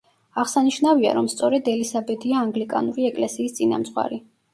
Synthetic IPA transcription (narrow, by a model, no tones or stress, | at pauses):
aʁsaniʃnavia̰ɾɔmst̪sʼɔɾɛd̪ɛlisabɛd̪iaːŋɡlikʼa̰nuɾiɛkʼlɛsiːst̪sʼina̰mt̪sʼχwa̰ɾi